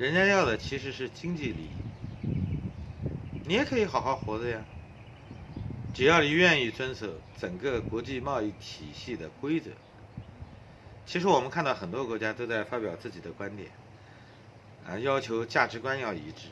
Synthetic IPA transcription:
ɻə˧˥nt͡ɕja˥jɑ˥˩ʊd̪ə˩t͡ɕʰi˧˥ʂ̬ɻ̩˧˥ʂɻ̩˥˩t͡ɕi˥ŋt͡ɕi˥˩lḭ˨˩˧ | ni˧˥jɛ˧˥kʰɤ˧˥i˧˥xɑ˨˩ʊxɑ˥˩ʊxwɔ˧˥d͡zə˧ja˧ | ʈ͡ʂɻ̩˨˩jɑ˥˩ʊli˧˥ɥɛ˥˧ni˥˩t͡swə˥nsɤ˧˥ʈ͡ʂə˨˩ŋkə˥˧kwɔ˧˥t͡ɕi˥˧mɑ˥˧ʊi˥˩t̪ʰi˨˩ɕi˥˩d̪ə˩kwe˥ɪt͡sɤ̰˧˩˦ | t͡ɕʰi˧˥ʂɻ̩˧˥wɔ˨˩mə˦nkʰa˥˧nt̪ɑ˥˩xə˨˩nt̪wɔ˥kwɔ˧˥t͡ɕja˥t̪o˥ʊt͡sa˥˩ɪfa˥pjɑ˨˩ʊt͡sɹ̩˥˩t͡ɕi˨˩d̪ə˦kwa˥nt̪jɛ̰˨˩˦n˧ | jɑ˥ʊt͡ɕʰjo˧˥ʊt͡ɕja˥˩ʈ͡ʂɻ̩˧˥kwa˥njɑ˥˩ʊi˧˥ʈ͡ʂɻ̩˥˩

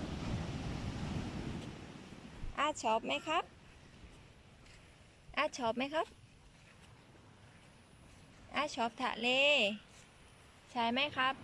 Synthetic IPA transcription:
ʔaː˧˩t͡ɕʰɔː˦˥p̚ma˦˥˩jkʰa˦˥p̚ | ʔaː˧˩t̪̚t͡ɕʰɔː˦˥p̚ma˦˥jkʰa˦˥p̚ | ʔa˧˩t͡ɕʰɔː˦˥p̚t̪ʰa̰˧ʔleː˧˥ | t͡ɕʰa˧˩jma˦˥˨jkʰa˦˥p̚

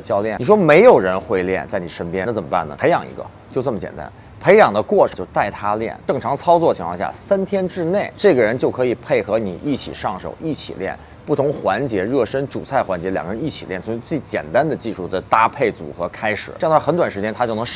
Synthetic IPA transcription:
t͡ɕjɑ˥˧ʊljɛ˥˩n˨˩ʂwɔ˥me˧˥ɪjo˨˩ʊɻə˧˥nxwe˥˧ɪljɛ̰˥˩nt͡sa˥˩ɪni˨˩ʂə˥npjɛ˥n˧t͡sə˨˩mə˦pa̰˥˩nə̰˩pʰe˧˥ɪjɑ˨˩ŋḭ˧˥ɡə̰˧ | t͡ɕo˥˧t͡sə˥˩mə˩t͡ɕjɛ̰˨˩nt̪a̰˥n | pʰe˧˥ɪjɑ˨˩ŋd̪ə˦kwɔ˥˩ʈ͡ʂʰə˨˧t͡ɕo˥˧ʊt̪a˥˩ɪt̪ʰa˥ljɛ̰˥˩nʈ͡ʂɤ˥˩ŋʈ͡ʂʰɑ˧˥ŋt͡sʰɑ˥ʊt͡swɔ˥˩t͡ɕʰi˧˥ŋʰwɑ̰˥˧ɕja̰˥˩sa˥nt̪ʰjɛ˥nʈ͡ʂɻ̩˥˧ne˥˩ɪʈ͡ʂɤ˥˩ɡə˩ɻə˧˥nt͡ɕjo˥˩ʊkʰɤ˧˥i˨˩pʰe˥˩ɪxɤ˧˥nḭ˨˩ʔi˥˩t͡ɕʰḭ˨˩ʂɑ˥˩ŋʂo̰˨˩ʊʔi˥˩t͡ɕʰḭ˨˩ljɛ̰˥˧n | pu˥˩ʊ˧˥ŋxwa˧˥nt͡ɕjɛ˧˥ɻɤ˥˩ʂə˥nʈ͡ʂu˨˩t͡sʰa˥˩ɪxwa˧˥nt͡ɕjɛ˧˥ljŋɡə˧ɻə˧˥ni˥˩t͡ɕʰi˨˩ljɛ˥˩nt͡sʰʊ˧˥ŋ˧˥t͡swe˥˩ɪt͡ɕjɛ̰˨˩nt̪a˥nd̪ə˨t͡ɕi˥˧ʂu˥˩d̪ə˩t̪a˥pʰe˥˩ɪt͡sṵ˨˩xɤ˧˥kʰa˥ɪʂɻ̩˨˩˥ŋʰ˩˥˩xə˧˥nt̪wa˨˩nʂɻ̩˧˥t͡ɕjɛ˥nt̪ʰa˥t͡ɕo˥˩ʊnɤ˧˥ŋ

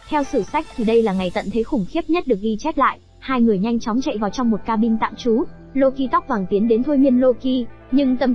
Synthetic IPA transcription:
t̪ʰɛ˧wsɨ˧˩sa˦˥jk̟̚t̪ʰi˨˩ɗə˧jlaː˨˩ŋa˨˩jt̪ə̰˧˨nt̪ʰe˨˦jxʊ˨˧˩ŋ͡mxi˦˥əp̚ɲə˦˥t̚ɗɨ˨˩ək̚ʔi˧t͡ɕɛ˦˥t̚la̰ː˧˨j | haː˧jŋɨ˨˩əjɲa˧jŋ̟t͡ɕɔ˨˦wŋ͡mt͡ɕa̰˧˨jvaː˨˩wt͡ɕɔ˧wŋ͡mmo˨˩t̚kaː˧ɓï˧ŋ̟t̪a̰ː˧˨mt͡ɕu˨˦ | lo˧ki˧t̪wk͡p̚vaː˨˩ŋt̪i˨˦ənɗe˨˦nt̪ʰo˧jmi˧ənlo˧ki˧ | ɲɨ˧ŋt̪ə˨˩m

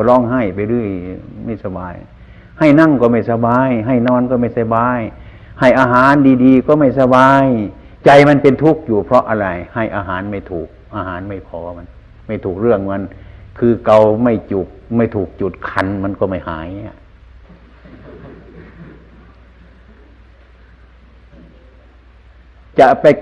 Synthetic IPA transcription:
ɔ˧˩lɔː˧˥˩ŋɦa˧˩jpa˧jlɯː˧˥˩jma˧˩jsa˧baː˨˧j | ha˧˩jna˧˥˩ŋkɔː˧˩ma˧˩jsa˧baː˧jɦa˧˩jnɔː˧˨nkɔ˧˦ma˧˩jsa˧˩baː˧j | ha˧˩jʔaː˧ɦaː˨˦ndiː˧diː˧kɔː˧˦ma˧˩jsa˧baː˧j | t͡ɕa˧jma˧˥˨npe˧nt̪ʰu˦˥˩k̚juː˨˩pʰɾɔ˧ʔa˧ɾa˧˩jha˧˥˩jʔaː˧ɦaː˨˦nma˧˥˩jt̪ʰuː˨˩k̚ʔaː˧haː˨˦nma˧˩jpʰɔː˧˦ma˧˥˨n | ma˥˩jt̪ʰuː˨˩k̚ɾɯ˥˧˩əŋma˧˥˨nkʰɯː˧ka˧wma˧˩jt͡ɕu˨˩k̚ma˧˩jt̪ʰuː˨˩k̚t͡ɕu˨˩t̪̚kʰa˧nma˧˥˨nkɔː˧˩ma˧˥˩jhaː˨˦ja˧˩ | t͡ɕa˧pa˧

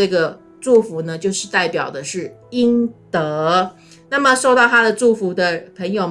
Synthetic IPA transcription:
ə˥˩ɡə˩ | ʈ͡ʂu˥˩fu˨˥nə˧t͡ɕjo˥˧ʊʂɻ̩˥˧t̪a˥˩ɪpjɑ˨˩ʊd̪ə˦ʂɻ̩˥˩ | i˥ŋt̪ɤ˧˦ | na˥˩mə˨˩ʂo˥˧ʊt̪ɑ˥˩ʊt̪ʰa˥d̪ə˨ʈ͡ʂu˥˩fu˨˥d̪ə˧pʰə˧˥ŋjo˨˧ʊ

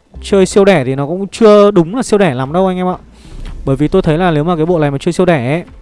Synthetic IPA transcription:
t͡ɕəː˧jsi˧əwɗɛ˧˩t̪ʰi˨˩nɔ˨˦kʊ̰˧˥ŋ͡mt͡ɕɨ˧əɗʊ˨˦ŋ͡mlaː˨˩si˧əwɗɛ˧˩laː˨˦mɗə˧wʔa˧jŋ̟ʔɛ˧ma̰ː˧˨ | ɓəː˧˩jvi˨˩t̪o˧jt̪ʰə˨˦jlaː˨˩ne˨˦wmaː˨˩kaː˨˦jɓo̰˧˨la˨˩maː˨˩t͡ɕəː˧jsi˧əwɗɛ˧˩ʔe˨˦

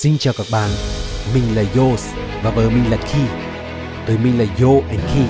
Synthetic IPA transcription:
si˧nt͡ɕaː˨˩wkaː˧˩k̚ɓa̰ː˧˨nmï˨˩ŋ̟laː˨˩jo˧˩s | vaː˨˩vəː˨˦mï˨˩ŋlaː˨˩tkʰi˧˩ | t̪ə˨˦jmï˨ŋ̟laː˨˩jo˧ʔɛ˧˩nkʰi˧˩

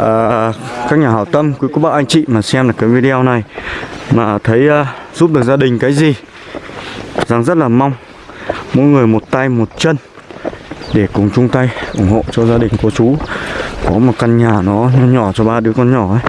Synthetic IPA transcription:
ʔəː˨˩kaː˦˥k̚ɲaː˨˩ɦaː˧˩wt̪ə˧mkwi˨˦ko˨˦ɓa̰ː˧˩ʔa˧jŋ̟t͡ɕḭ˧˨maː˨˩sɛ˧mlaː˨˩kaː˨˦jvi˧ɗi˧o˧na˨˩jmaː˨˩t̪ʰə˨˦jʔːzu˦˥p̚ɗɨ˨˩k̚zaː˧ɗï˨˩ŋ̟kaː˨˦jzi˨˩ | za˨˩ŋzə˦˥t̚laː˨˩ma˧wŋ͡m | mo̰˧˥jŋɨ˨˩əjmo˨˩t̚t̪a˧jmo˨˩t̚t͡ɕə˧n | ɗe˧˩kʊ˨˩ŋ͡mt͡ɕʊ˧ŋ͡mt̪a˧jʔʊ̰˧˩ŋ͡mho̰˧˨t͡ɕɔ˧zaː˧ɗï˨˩ŋ̟ku˧˩ət͡ɕu˨˦kɔ˨˦mo˨˩t̚ka˧nɲaː˨˩nɔ˨˦ɲɔ˧˩t͡ɕɔ˧ɓaː˧ɗɨ˨˦əkɔ˧nɲɔ˧˩ʔə˨˦j

